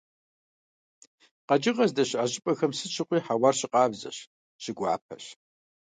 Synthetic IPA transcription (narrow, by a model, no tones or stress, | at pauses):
qɐd͡ʒʼɪʁɐzdɐɕaʑʼɪpʼɐxɐmsɨt͡ʃʼʰɨqʷʼiːħawɐrɕɪqɑːbzɐ̰ɕ | ɕɪɡʷa̰ːpʰɐ̰ɕ